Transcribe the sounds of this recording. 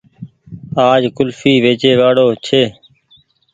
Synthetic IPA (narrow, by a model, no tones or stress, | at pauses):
aːd͡ʒkʊlfiːʋeːt͡ʃeːʋaːɽoːt͡ʃʰeː